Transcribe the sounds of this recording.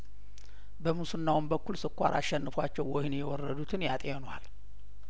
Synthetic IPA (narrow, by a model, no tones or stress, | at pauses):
bəmusɨnːawʊmbəkʷːulsɨkʷːa̰ɾʔa̰ʃːɛnːɨfwat͡ʃːɛwːɔhɪnjɛwɔrːəd̪ut̪ʰɨnjat̪ʼeɛnwal